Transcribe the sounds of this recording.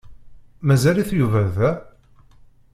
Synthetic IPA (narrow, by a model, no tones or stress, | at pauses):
mæzæliθjuvæðæ